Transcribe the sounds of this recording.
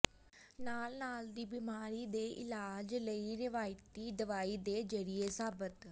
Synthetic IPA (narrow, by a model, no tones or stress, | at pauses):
naːlnaːld̪iːbimaːɾid̪eːʔɪ̰laːd͡ʒləiɾɪʋaːjt̪id̪ɐʋaːid̪eːd͡ʒɐɽiesaːbət̪